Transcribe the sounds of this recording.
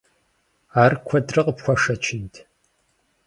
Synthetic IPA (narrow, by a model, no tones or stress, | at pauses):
aːrkʷʰɔdrɨqʼəpxʷɔʂɐt͡ʃʰɪntʰ